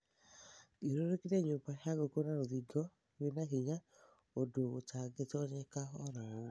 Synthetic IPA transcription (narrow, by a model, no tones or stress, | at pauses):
eɾoɾekineɲobaʃaɡokonaɾoðiɡɔ | wenaɦiɲa | odoːt͡ʃaɡetɔɲɛkaɔɾao